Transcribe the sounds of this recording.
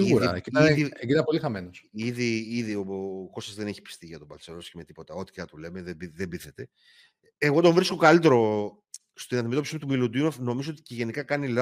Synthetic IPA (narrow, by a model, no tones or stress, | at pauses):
iɣuɾ̰kiɐieɡit̪ɐpo̞lixɐmenosiðiiðio̞ko̞st̪ɐzðe̞neçi̥pi̥st̪iʝɐt̪obɐlseloscemet̪i̥po̞t̪ɐo̞t̪i̥cɐt̪ule̞meðebiðebiθet̪e̞ | eɣo̞d̪o̞ɱvɾiskokɐlit̪eɾo | st̪inɐnd̪imet̪opisimut̪umilud̪iunofno̞mizoot̪iceʝe̞nikɐkɐnilɐ